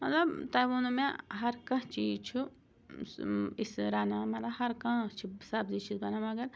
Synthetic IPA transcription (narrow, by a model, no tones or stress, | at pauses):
mɐt̪lɐbt̪aːjʋunumẽɦɐɾkɐ̃t͡ʃiːzt͡ʃʰu | isɾaːnamɐt̪lɐbɦɐɾkãːt͡ʃʰisaːbzit͡ʃizbɐnamɐɡɐɾ